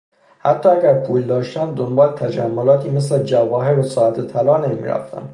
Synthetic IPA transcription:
hæt̪ʰːɒːæɟʲæɾpʰuːld̪ɒːʃt̪ænd̪d̪ombɒːlet̪ʰæd͡ʒæmːolɒːt̪ʰiːmes̬led͡ʒævɒːɦeɾbesɒːæt̪ʰet̪ʰælɒːnemḭːɾæ̰ft̪æ̰n

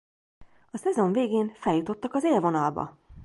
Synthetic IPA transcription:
ɒsɛzo̞ɱveːɡeːnfɛljut̪o̞t̪ːɒkɒzeːlvo̞nɒlbɒ̰

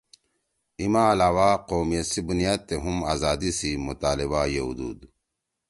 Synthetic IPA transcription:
imaːlaːwaːqoːmjesibunijaːd̪̚t̪eɦumaːzaːd̪isimut̪aːliβajeɦṵd̪ṵːd̪

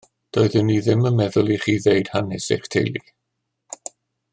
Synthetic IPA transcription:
d̥oɨðɪmniðɪməmɛðʊlˠiχiːðejd̥hanɛsḛχtʰḛjlˠḭ

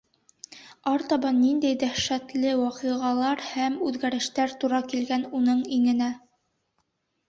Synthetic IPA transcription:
ɑɾt̪ɑbɑnːind̪æjd̪æχʃæt̪lɘwɑqɤʁɑlˠɑɾhæmʉðɡæɾɘ̆ʃt̪æɾt̪uɾɑkilɡænunɤɴiŋɘ̆næ

